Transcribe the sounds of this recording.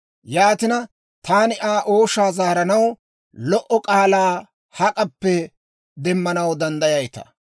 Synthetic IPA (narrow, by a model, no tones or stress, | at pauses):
jaːt̪ɪnɐ | t̪aːnɪʔaːʔo̞ːʃaːzaːɾɐnɐw | lɔʔɔkʼaːlaː | hɐkʼɐpːɛ | d̪ɛmːɐnɐwd̪ɐnd̪ɐjɐjt̪ɐ̰